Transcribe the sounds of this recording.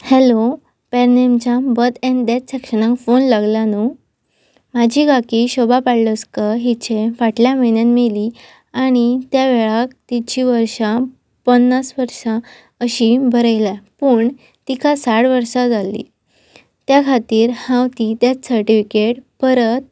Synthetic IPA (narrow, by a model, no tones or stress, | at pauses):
hɛlo | pɛɾnemt͡ɕãbət̪ɛ̃ɳd̪et͡ssɛkʂənãŋkfonlaɡljanu | mad͡ʑʱiːɡakiːɕɔbapaɽləskəɦit͡ɕʰefaʈljaməjnjanmeli | aɽ̃it̪jaʋeɭak̚t̪it͡ɕiʋəɾʂa | pənːasʋəɾʂã | əɕibʱəɾəjlapuːɳ | t̪ikasaɽʋəɾɕad͡zalḭ | t̪jakʰat̪iːɾhãwt̪it̪jat͡ssəɾʈifikeʈpəɾət̪̚